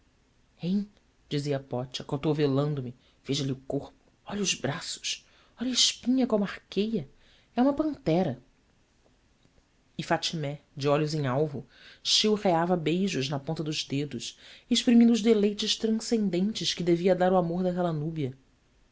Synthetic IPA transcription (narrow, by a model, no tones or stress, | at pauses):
ẽj̃ | d͡ʒiziɐapɔt͡ʃɐkot̪ovelɐ̃nd̪ʊmɪ | v̥eʒɐlɪʊkoχpʊ̥ | ɔʎʊzbɾasʊ̥s | ɔʎɐɪʃpĩɲɐkõmaχkejɐ | ɛũmɐpɐ̃nt̪ɛɾɐ | ɪfat͡ʃimɛd͡ʒɪɔʎʊzẽj̃awvʊ | ʃewʁeavɐbejʒʊznɐpõnt̪ɐd̪ʊzd̪ed̪ʊʃeʃpɾimĩd̪ʊʒd̪elejt͡ʃɪʃt̪ɾɐ̃sẽnd̪ẽnt͡ʃɪʃkɪd̪eviɐd̪aɾuamoɾd̪ɐɦɛlanubiɐ